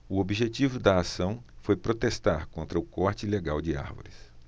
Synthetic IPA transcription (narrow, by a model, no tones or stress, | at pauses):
ʊobiʒet͡ʃivʊd̪ɐasɐ̃w̃fojpɾot̪est̪aɾkõnt̪ɾɐukɔɾt͡ʃɪileɡawd͡ʒɪa̰ɾvo̰ɾɪs